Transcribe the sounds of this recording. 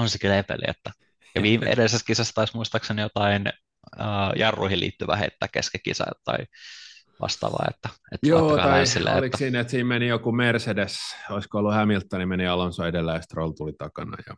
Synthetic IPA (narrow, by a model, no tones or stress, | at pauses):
onsekylepḛlḭḛt̪ːæ | jɑʋiːmʔḛʔḛdeseskisæst̪ːt̪ɑismuist̪ɑksenijot̪ɑin | əːjɑrːuihilḭːt̪ːyʋæhḛt̪ːæːkkeskekːḭsɑ̰jt̪ɑ̰i | ʋɑ̰st̪ɑ̰ːʋɑ̰ːḛt̪ːæet̪ːjooːɑɑesilːḛelik̪æsiːnet̪siːmmenijokumersedesoiskoolːuhæmilt̪ːɑnimeniɑlonsoidelːæest̪rolt̪ulit̪ɑkɑnɑ̰jɑ̰